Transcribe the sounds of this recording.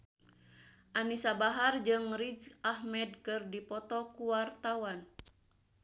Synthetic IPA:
ʔanisabaɦard͡ʒɨŋɾid͡ʒahmɛdkɨrdipɔt̪ɔkuwart̪awan

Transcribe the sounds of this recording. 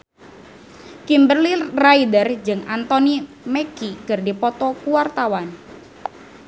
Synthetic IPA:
kimbərliraidərd͡ʒɨŋant̪ɔni | mɛkiɡ̥ərdipɔt̪ɔkuwart̪awan

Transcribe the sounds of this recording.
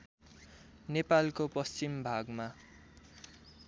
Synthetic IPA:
nepalkopʌst͡ɕimbʱaɡma

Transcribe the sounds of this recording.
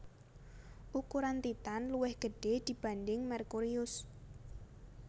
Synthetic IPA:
ʔukuɾant̪it̪anluwɪhɡ̥əɖ̥ed̪̥i̤b̥a̤ndɪŋmɛrkuɾiʊs

